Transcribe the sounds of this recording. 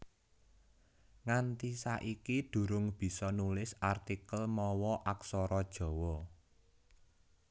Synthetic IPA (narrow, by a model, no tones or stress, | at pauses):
ŋant̪isaʔikid̪̥ṳɾʊŋb̥i̤sɔnulɪsart̪ikəlmɔwɔʔaksɔɾɔd̥ʒ̥ɔ̤wɔ